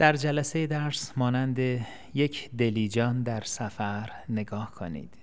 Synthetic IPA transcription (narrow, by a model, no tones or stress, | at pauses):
d̪̥æɾd͡ʒælæse̞jed̪æɾsmɒːnænd̪e | je̞cʰd̪e̞liːd͡ʒɒːnd̪æɾsæfæɾne̞ɡɒːhkʰo̰nḭːd̪̥